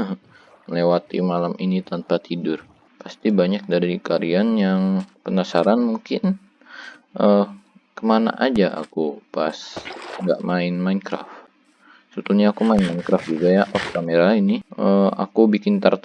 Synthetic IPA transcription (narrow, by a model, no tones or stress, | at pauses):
əɦ | əlewat̪ḭmalamʔinit̪anpat̪idʊr | past̪ibaɲak̚daɾikaɾianjaŋpənasaɾanmuŋkɪn | ʔə | kəmana̰ʔad͡ʒaʔa̰kupa̰sŋɡa̰ʔmaɪnmainkɾa̰f | sut̪uɲaːkumaɪnmainkɾafd͡ʒuɡajaʔɔfkameɾainiəma̰kubikɪnt̪art̪